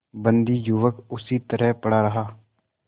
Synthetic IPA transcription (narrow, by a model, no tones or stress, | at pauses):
bənd̪iːjʊʋəkʊsiːt̪əɾɛɦpəɽaːɾəɦaː